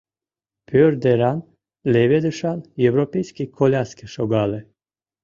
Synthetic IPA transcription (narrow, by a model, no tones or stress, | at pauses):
pʲʰørd̪eɾɑn | lʲevʲed̪əʃɑnjevɾopʲejsʲkʲikʰolʲaskeʃoɡɑle